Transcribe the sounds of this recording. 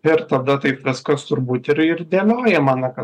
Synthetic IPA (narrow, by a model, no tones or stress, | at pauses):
ɪɾt̪ɐd̪ɐt̪ɐɪpʋʲɪskɐst̪ʊɾbuːt̪ɪɾɪɾd̪ʲeːloːjɛmɑːnɐkɐ